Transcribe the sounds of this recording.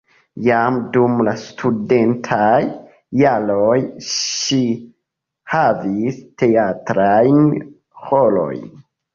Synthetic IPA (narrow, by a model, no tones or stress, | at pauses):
jamdumlastʰudentʰajː | alojʃi | haviste̞atɾajn | holo̞̰jn